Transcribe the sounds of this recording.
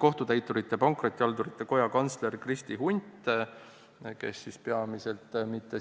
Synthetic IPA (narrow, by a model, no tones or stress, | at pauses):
ko̞ht̪ut̪æjt̪ːˑuɾit̪ːˑe̞pɑŋkrot̪ʲːˑiɑld̪uɾit̪ˑːe̞ko̞jɑkɑnsle̞rkrist̪iɦunʲt̪ | ke̞̰sːispeɑmise̞lt̪mit̪ːe